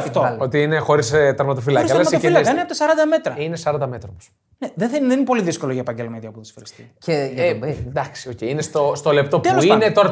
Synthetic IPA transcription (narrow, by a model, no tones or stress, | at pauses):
foot̪iinexo̞ɾist̪ɐɾmɐt̪ofilɐkokɾsɐlɐsɐoilɐkɐineɐpot̪ɐsɐɾɐnd̪ɐme̞t̪ɾɐinesɐɾɐnd̪ɐmet̪ɾɐpos | neðeθɐnðeninepo̞liðisko̞loʝɐepɐɲɟelmɐt̪iɐpuðsfeɾi̥siceʝɐd̪ɐksiocejinest̪ost̪o̞lep̚t̪o̞p̪eolosinet̪oɐɾ